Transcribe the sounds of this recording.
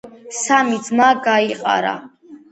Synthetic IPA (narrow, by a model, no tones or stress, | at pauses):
samid̪zmaɡaiqʼa̰ɾa̰